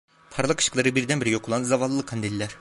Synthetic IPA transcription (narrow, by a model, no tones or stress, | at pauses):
pʰɑɾlˠɑqʰɯ̥ʃklˠɑɾɯbiɾd̪ɛnbiɾiɡʲeqʰlˠɑnzɑvɑlˠɯlˠɯqʰːɑnd̪elʲlʲæɾ